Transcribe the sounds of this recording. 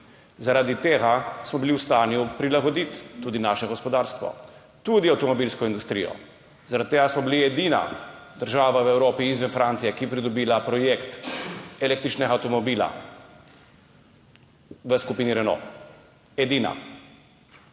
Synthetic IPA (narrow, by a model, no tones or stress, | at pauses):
zaɾad̪it̪eːɡasmɔbiliwst̪aːnjupɾilaɡɔd̪it̪ːuːd̪inaːʃɛɡɔspɔd̪aːɾst̪ʋɔ̰ | t̪uːd̪iawt̪ɔmɔbilskɔind̪ust̪ɾḭjɔ̰ | zaɾat̪t̪ːeːɡasmɔbiliɛd̪ina̰d̪əɾʒaːʋaʋɛwɾoːpiizʋənfɾant̪sijɛkipɾid̪ɔbiːlapɾɔjekt̪ɛleːk̚t̪ɾit͡ʃnɛɡawt̪ɔmɔbiːla̰ | ʋəskupiːniɾɛno̰ː | ɛd̪iːna̰